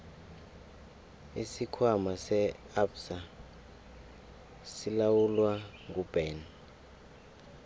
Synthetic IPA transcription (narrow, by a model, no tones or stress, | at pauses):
isikʰwamasɛ | absa | silawulwaŋɡʱub̥ɛːn